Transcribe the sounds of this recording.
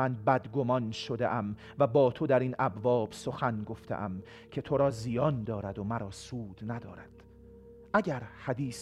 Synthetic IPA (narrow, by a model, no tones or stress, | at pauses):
ænbæd̪ɡo̞mɒnʃod̪ḛʔæm | væbɒːt̪ʰo̞d̪æɾiːnʔæbvɒːb̥so̞xænɡo̞ft̪ʰḛʔæm | kʰe̞t̪ʰo̞ɾɒːzijɒːnd̪ɒːɾæd̪o̞mæɾɒːsuːd̪̥næd̪ɒ̰ːɾæ̰d̪̥ | ʔæɟæɾhæd̪iːs